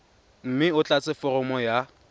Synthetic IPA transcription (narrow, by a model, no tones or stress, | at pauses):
m̩mɪʊt͡ɬʼat͡sʼɪfɔrɔmɔja